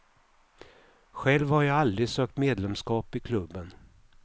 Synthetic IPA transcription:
ɧɛlvhaɾjɑald̪ɾɪsøːk̚t̪meːd̪lɛmskɑːpɪkʰlɵbːən

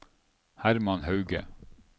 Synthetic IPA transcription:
hæɾmɑnhɑʉɡə̰

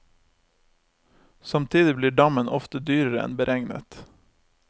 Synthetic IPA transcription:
sɑmt̪ʰiːd̪ɪbliːɖɑmənʔɔft̪əd̪yːɾəɾəɛ̰nbəɾʔɛŋnə̰t̪

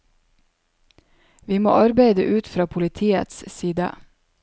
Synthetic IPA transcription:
ʋiːmo̰ːʔɑɾbæɪd̪əʔʉːt̪fɾɑːpʰʊlɪt̪ʰiːə̰t̪ssiːd̪ə̰

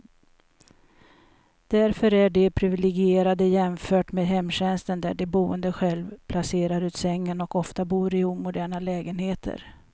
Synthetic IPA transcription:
d̪̥æɾfœɾæɖɛpʰɾɪvɪlɛɡɪeːɾad̪əjɛmfœːʈmeːd̪ɦɛmːɕɛnst̪ənd̪æɖɛbuːənd̪əɧɛlvpʰlaseːɾaɾʉ̟ːt̪sɛŋːənɔkɔft̪abuːɾɪuːmʊd̪æːɳalɛːɡənheːt̪ʰə̰ɾ

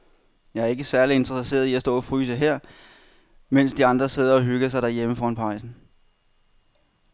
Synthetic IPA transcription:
jɑ̈ɪæɐe̝ɡəsæɐlie̝nd̥ʁʁəse̝̰ːɐð̞ˠiæsd̥ɔ̰̽ːæfʁyːs̬əɦeɐ̰ | men̰sd̥iɑ̈nd̥ʁɐse̝ð̰ˠɐɒ̽ɦyɡ̥əs̬ɑ̈ɪd̥æɐjeməfɒːɑnpʰɑ̈ɪsn̩

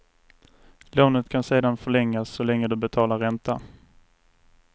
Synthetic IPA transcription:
loːnət̪kʰanseːd̪anfœɭɛŋːasːɔlɛŋːəd̪ɵbɛt̪ʰɑːlaɾɛnt̪a

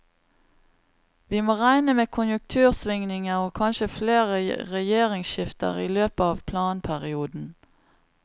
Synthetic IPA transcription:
ʋiːmoːʁæɪnəmeːkʰʊnjʉŋk̚t̪ʰʉːʁsʋɪŋnɪŋəʁoːkʰɑnʃəfleːʁə̰ʁɛjeːʁɪŋsʃɪft̪ə̰ʁiːløːpəɑːʋpʰlɑːnpʰæʁɪuːd̪n̩

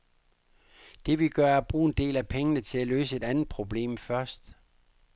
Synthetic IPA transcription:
d̥e̝ʋiɡ̥ɶɐɐb̥ʁuːe̝nd̥e̝̰ːlæpʰeŋənət͡sʰe̝læløːsəe̝d̥ænð̩ˠpʰʁo̝b̥le̝̰ːmfɶɐsd̥

